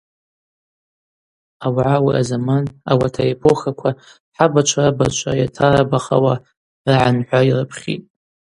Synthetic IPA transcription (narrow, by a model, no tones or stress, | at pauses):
awʕawḭʔa̰zamana̰watʰaepʰoχakʷʰa | ħabat͡ʃʷʰarabat͡ʃʷʰajatʰaɾabaχa̰wa | raʕanħʷairɨpʰχʲḭtʼ